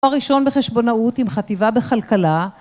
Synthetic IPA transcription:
aʁiʃo̞nbeχe̞ʃbo̞nautimχativabeχalkala

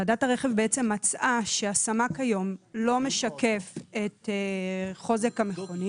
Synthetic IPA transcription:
adataʁeχe̞vbeet͡se̞mːat͡sʔaʃeasamakhajo̞mlo̞meʃake̞fet | χo̞zekameχo̞ni

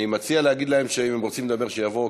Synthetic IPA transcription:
imat͡sialeaɡid̪lahe̞mʃeimemʁot͡simled̪abe̞ʁʃejavo̞

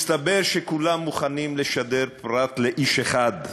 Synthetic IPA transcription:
st̪abeʁʃekulamːuχanimleʃad̪eʁpʁat̪leʔiʃeχad̪

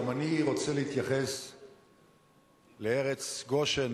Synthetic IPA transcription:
maniʁo̞t͡seleit̪jaχe̞s | leeʁet͡sɡo̞ʃen

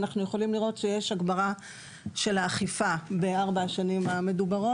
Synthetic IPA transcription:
naχnujeχo̞limliʁo̞tʃejeʃaɡbaʁa | ʃe̞laːχifabeaʁbaaʃanimame̞dubaʁo

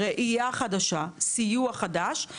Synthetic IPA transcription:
ʁeʔijaχadaʃasijuaχadaʃ

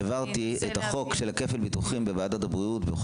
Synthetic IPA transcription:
vaʁt̪iet̪aχo̞kʃelhake̞felbituχimbevaːdatabʁiutbe

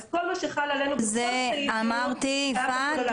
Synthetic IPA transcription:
kolmaʃeχalalenuzeamaʁt̪ifa

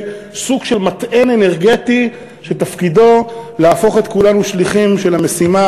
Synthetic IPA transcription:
suɡʃe̞lmat̪ʔene̞ne̞ʁɡet̪i | ʃet̪afkido̞laːfo̞χe̞t̪kulanuʃliχimʃe̞lamesima

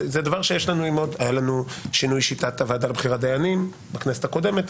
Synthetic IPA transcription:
zed̪avaʁʃejeʃlanuimo̞d̪ajalanuʃinujʃit̪at̪avad̪albχiʁad̪ejanim | bakneset̪ako̞d̪e̞me̞t̪

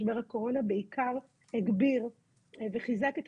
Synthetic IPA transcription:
beʁhako̞ʁo̞nabeikʰaʁ | heɡbiʁ | veχizaket̪

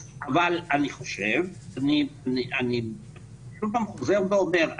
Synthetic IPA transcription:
ʔavalaniχo̞ʃe̞vanianiʔani | kulpamχoze̞ʁveo̞me̞ʁ

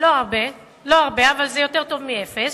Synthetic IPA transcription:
loaʁbe | lo̞aʁbeavalzejo̞t̪e̞ʁt̪o̞vmiefes

